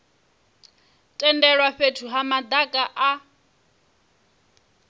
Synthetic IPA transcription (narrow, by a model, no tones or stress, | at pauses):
tʼɛndɛɺwaɸetʰuɦamad̪akʼaʔa